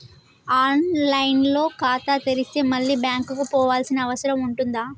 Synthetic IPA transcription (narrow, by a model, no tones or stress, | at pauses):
aːnlɐjnlo̞ːkaːt̪aːt̪eɾist̪e̞ːmɐɭːiːbjaːŋkukupɔːʋaːlsinɐːʋɐsɐɾɐmuɳʈund̪aː